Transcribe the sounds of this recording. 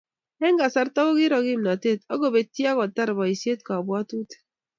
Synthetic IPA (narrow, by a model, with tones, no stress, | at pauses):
ɛ˦ŋɡa˨sa˦ɾta˦ko˦kɪ˦ɾɔ˨ki˦mna˨te˦˨tɔ˦ɡo˨be˨tja˦kɔ˨ta˦ɾbɔ˨i˨sje˦t̚ka˨bwɔ˦tu˦te̥˨